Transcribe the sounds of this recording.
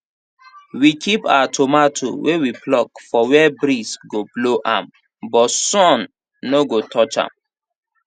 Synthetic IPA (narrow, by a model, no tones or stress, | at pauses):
wikipa̰tʰomatʰo̰wewiplɔkfɔwɛbɾisɡobloʔã̰m | bɔtsɔ̃nː | oɡotʰɔt͡ʃã̰m